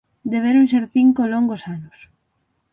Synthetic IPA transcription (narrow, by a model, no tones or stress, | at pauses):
d̪eβeɾoŋs̬eɾθiŋkolɔŋɡosanʊs